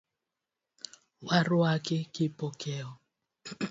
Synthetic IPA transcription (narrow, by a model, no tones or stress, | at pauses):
warwakɪkɪpɔkʰɛɔ